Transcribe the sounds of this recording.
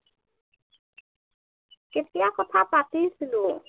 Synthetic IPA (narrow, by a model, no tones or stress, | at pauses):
ket̪ijakɔt̪ʰapat̪isilu